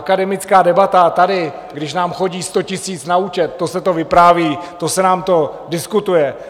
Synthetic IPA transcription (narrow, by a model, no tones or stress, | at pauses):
akadɛmɪt͡skaːdɛbat̪at̪adɪ | ɡdɪʃnaːmxo̞ɟiːst̪o̞cɪsiːt͡snaut͡ʃɛt̪̚ːo̞sɛt̪o̞vɪpɾaːviːt̪o̞sɛnaːmt̪o̞dɪskut̪ujɛ